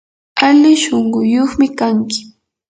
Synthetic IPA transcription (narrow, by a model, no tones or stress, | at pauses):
alɪʃoɴɢʊjoχmɪkaŋkɪ̥